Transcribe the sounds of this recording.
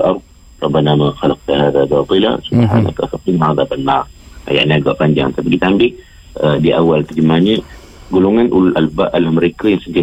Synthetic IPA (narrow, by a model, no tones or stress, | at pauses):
lʔɑɾˤd̪̚ | rˤɑbːanamaxalɑq̚t̪aɦaðabɑt̪ˤɨla̰subħa̰na̰kafat̪inaʕaðabənːarka̰ja̰ʔɲiaɡa̰ʔpaɲd͡ʒaŋt̪apikit̪ambɪh | ədiʔawalt̪ərd͡ʒəmahɲə | ɡuloŋanʔululʔalbaʔalahməɾekəjaŋsəti